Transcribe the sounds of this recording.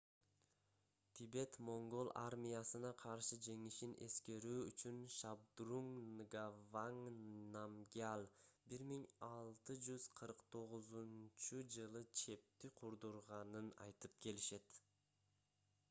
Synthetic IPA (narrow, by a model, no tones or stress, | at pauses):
t̪ʰibe̞t̪mo̞ŋɡo̞lˠʔa̰ɾmʲijasɯnɑqʰɑɾʃɯd͡ʒe̞ŋiʃinʔe̞̰ske̞ɾyːyt͡ʃynʃab̚d̪ruŋnɡavaŋnamɡʲalˠbiɾmiŋɑlˠt̪ɯd͡ʒyz̥qʰɯɾqt̪ʰo̞ʁuzunt͡ʃud͡ʒɯlˠɯt͡ʃʰe̞p̚t̪iqʰuɾd̪uɾʁɑnɯnɑ̰jt̪ɯp̚kʰe̞liʃe̞t̪